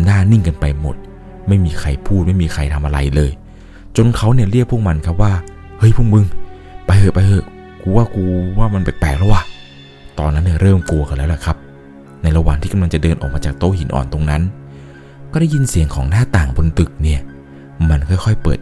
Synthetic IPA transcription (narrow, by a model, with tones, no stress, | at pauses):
naː˥˩ni˥˩ŋka˧npa˧jmo̰˨˩t̪̚ | ma˥˩jmiː˧kʰa˧jpʰuː˥˩t̪̚ma˥˩jmiː˧xʰa˧jt̪ʰa˧mʔa˧ɾa̰˧jlɤː˧j | t͡ɕo˧nkʰa˦˥wni˥˩ɐɾi˥˩ək̚ʰːu˥˩ək̚ma˧nkʰa˦˥p̚waː˥˩ | hɤ˦˥˩jpʰuː˥˩˨k̚mɯ˧ŋ | pa˧jhɤː˧˩jpa˧jhɤ˧˥˩j | kʰuː˧waː˥˩kʰuː˧waː˥˩ma˧npa˨˩jpɛː˨˩k̚ʰɔ˦˥waː˥˩ | t̪ɔ̰ː˧nːa˦˥nːi˥˩ɐɾɤː˥˩mklu˧ɐka˧˩lɛː˦˥wlɛ˨˩kʰa˦˥p̚ | na˧jɾa˧wa̰ː˨˩ŋt̪ʰiː˥˩ka˧la˧ŋt͡ɕa˨˩dɤː˧nʔɔ̰ː˨˩maː˧t͡ɕaː˨˩k̚t̪oː˧˩hi˩˦nʔɔ̰ː˨˩nt̪o˧ŋna˦˥n | kɔː˥˩da˥˩jːi˧nsi˨˩˦əŋkʰɔː˩˦ŋnaː˥˩t̪aː˨˩ŋbʰo˧nt̪ɯ˨˩k̚ni˥˩ɐ | ma˧nkʰɔ˥˩jxʰɔ˥˩jpɤ̰ː˨˩t̪̚